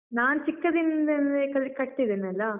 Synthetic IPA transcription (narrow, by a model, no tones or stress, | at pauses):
naːnt͡ʃikːɐd̪ind̪end̪ekɐɾkɐʈːid̪enɐlːɐ